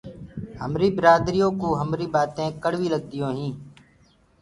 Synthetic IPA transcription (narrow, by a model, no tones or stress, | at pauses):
həmɾiːbɪɾaːd̪ɾijõːkoːɦəmɾiːbaːt̪ẽːkəɽʋiːləɡ̚d̪ɪjõːɦĩː